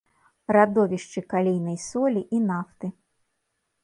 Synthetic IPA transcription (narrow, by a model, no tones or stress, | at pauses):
rad̪ɔvʲiʂt͡ʂɨkalʲijnɐjsɔlʲiʔinaft̪ɨ